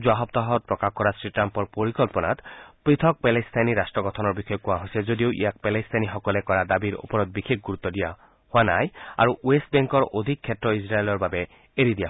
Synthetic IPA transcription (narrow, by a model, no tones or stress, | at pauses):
zwaɦɔb̚t̪ɔɦɔt̪̚pɹɔkakkɔɾasɹitɾampɔɹpoɹikɔlpɔna̰t̪pɹit̪ʰɔk̚pɛlest̪ʰajniɾasʈɹɔɡɔt̪ʰɔnɔɹbixɔjɔkuaɦojsezod̪ioʔḭjak̚pɛlest̪ʰajnixɔkɔlekɔɹad̪abiɾo̰pɔɾɔt̪̚bixʰek̚ɡuɾut̪ːɔd̪ija | hoanaja̰ɹuest̚bɛŋkɔɹʔod̪ʱikʰːɛtɹɔisɹaelɔɹbabɛ | eɾid̪ija